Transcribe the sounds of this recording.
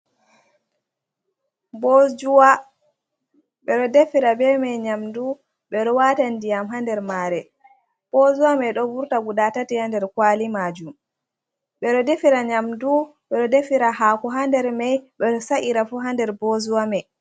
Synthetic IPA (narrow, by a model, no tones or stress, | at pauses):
bod͡ʒuwa | ɓɛɗɔdefiɾabɛmɛjɲamdu | ɓɛɗɔwatandijamɦandɛɾmaɾɛ | b̥ozuwamɛɗɔvuɾtaɡuɗatatihandɛɾkwalimad͡ʒum | ɓɛɗɔdefiɾaɲamduɓɛɗɔdefiɾahaːkuɦandɛɾmɛjɓɛɗɔsaʔiɾafuɦandɛɾbozuwamɛ